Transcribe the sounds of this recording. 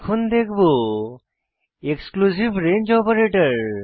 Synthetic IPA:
kʰund̪ekʰbo | eksklusibɾẽnd͡ʒɔpəɾeʈəɹ

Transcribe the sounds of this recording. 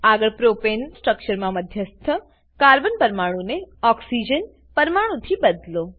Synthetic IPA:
aɡəɭpɾopensʈɾəkt͡ʃəɾmãməd̪ʱjəst̪ʰə | kaːɾbənpəɾmaɽ̃ũneɔksid͡ʒən | pəɾmaɽ̃ũt̪ʰibəd̪lo

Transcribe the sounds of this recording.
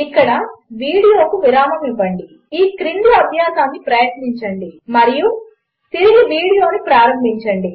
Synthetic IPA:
ikːɐɽɐʋiːɽijo̞ːkuʋiɾaːmɐmibɐɳɖi | iːkɾind̪uɐb̪ʱjaːsaːnːipɾɐjɐt̪niɲt͡ʃɐɳɖimɐɾiju | t̪iɾiɡiʋiːɽijo̞ːnupɾaːɾɐmbʱiɲt͡ʃɐɳɖi

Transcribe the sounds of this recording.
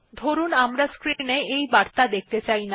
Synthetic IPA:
d̪ʱoɾunamɾaskɾineejbaɾt̪ad̪ek̚t̪et͡ɕajna

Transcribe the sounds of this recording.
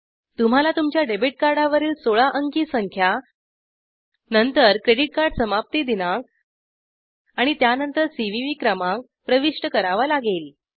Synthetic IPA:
t̪um̤alat̪umt͡ɕjaɖebiʈ̚kaɾɖaʋəɾiːlsoɭaʔəŋkiːsəŋkʰja | nənt̪əɾkɾeɽiʈ̚kaɾɖsəmap̚t̪id̪inak̚ | aɽ̃it̪janənt̪əɾsiʋiʋiːkɾəmãk̚ | pɾəʋiʂʈəkəɾaʋalaɡeːl

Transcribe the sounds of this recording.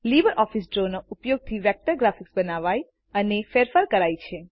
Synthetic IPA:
libəɾʔɔfisɖɾonoupjoɡ̚t̪ʰiʋɛk̚ʈəɾɡɾafiksbənaʋaj | ənefeɾfaɾkəɾajt͡ʃʰe

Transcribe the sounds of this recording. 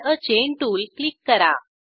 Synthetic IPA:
ət͡ɕeɳʈuːlklikːəɾa̰

